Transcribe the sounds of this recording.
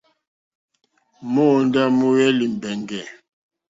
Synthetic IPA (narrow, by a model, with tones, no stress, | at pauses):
mo˦˨n˦da˦mu˦wɛ˦li˨m˨bɛ˨ŋɡɛ˨